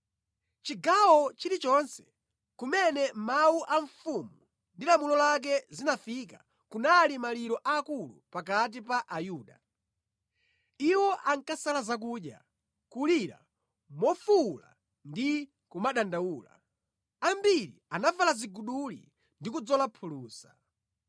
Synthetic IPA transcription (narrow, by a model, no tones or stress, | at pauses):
t͡ʃiɡawɔt͡ʃiɾit͡ʃɔnsɛ̥ | kumɛnɛmawuʔaɱfumu | ndilamulɔlak̬ɛzinafika | kunalimaliɾɔʔaːkulṵpak̬at̬ipaʔajuːɗa | iwɔʔaŋkasalazak̬uːɗja̰ | kuliɾa̰ | mɔfula̰ | ndi | kumaɗandauːla̰ | ambiɾḭanavalaziɡuɗulḭ | ndikud͡zɔlapʰuluːsa